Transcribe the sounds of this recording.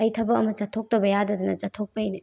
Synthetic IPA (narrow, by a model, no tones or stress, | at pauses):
ɐjtʰɐbɐkɐmɐt͡ʃatʰok̚tɐbɐjadɐdɐnɐzatʰok̚pɐjni